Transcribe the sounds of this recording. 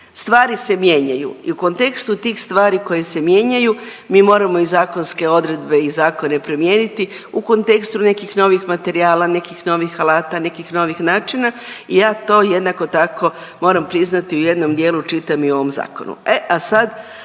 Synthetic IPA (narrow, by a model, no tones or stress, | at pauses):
st̪ʋaːɾise̞mje̞ɲajṵḭuko̞nt̪e̞kst̪ut̪iːxst̪ʋaːɾiko̞jese̞mje̞ːɲaju | miːmo̞ːɾamo̞izaːko̞nske̞o̞d̪ɾe̞d̪̚be̞izaːko̞ne̞pɾomjeːnit̪i | uko̞nt̪e̞kst̪une̞kixno̞ʋixmat̪e̞ɾiaːlane̞kixno̞ʋixalaːt̪ane̞kixno̞ʋixnaːt͡ʃinaijaːt̪o̞ːje̞d̪nako̞t̪ako̞ | mo̞ːɾampɾiznat̪iuje̞d̪no̞md̪je̞ːlut͡ʃit̪amio̞ʋo̞mza̰ːko̞̰nṵeʔasad̪